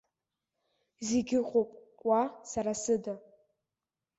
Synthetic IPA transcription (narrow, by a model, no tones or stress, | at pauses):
zeɡʲɪqʼopʼ | wasaɾasɨda